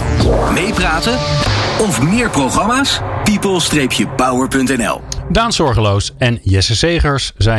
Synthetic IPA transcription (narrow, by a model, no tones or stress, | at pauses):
mejpraːtəɔfmɪːɹprowχɑmaːspipəlˠstrejpjəpʌwəɹpɵntɛnɛ̰lˠdaːnsɔɹχəlowsɛnjɛsəsejχəɹszɛ